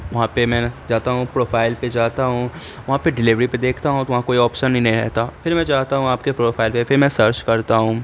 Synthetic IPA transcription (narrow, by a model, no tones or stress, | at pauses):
ʋɐɦãpemɛ̃ːd͡ʒaːt̪aɦũpɾoːfʰaːɪlped͡ʒaːt̪aɦũː | ʋɐɦãpeɖɪlɪʋɾiped̪eːkʰt̪aɦũt̪oʋɐɦãkoːiɔːpʃənːɐɦĩnɐɦĩɾɛ̰ɦt̪afʰɪɾmɛ̃d͡ʒaːɦt̪aɦũaːpkepɾoːfʰaːɪlpefɪɾmɛ̃ːsɐɾt͡ʃkɐɾt̪aɦũ